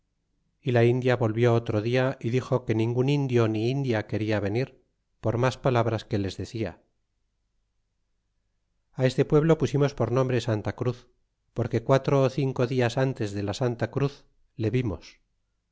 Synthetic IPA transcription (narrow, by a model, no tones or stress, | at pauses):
ilaind̪jaβo̞lβjo̞ot̪ɾoðiaiðixo̞ke̞nĩŋɡunind̪jo̞niind̪jake̞ɾiaβ̞e̞niɾ | po̞ɾmaspalaβ̞ɾaske̞le̞zðe̞θia̰ | ae̞st̪e̞pwe̞βlo̞pusimo̞spo̞ɾnõ̞mbɾe̞sant̪akɾuθ | po̞ɾke̞kwat̪ɾoːθiŋko̞ðiasant̪e̞zðe̞lasant̪akɾuθ | le̞βimo̞s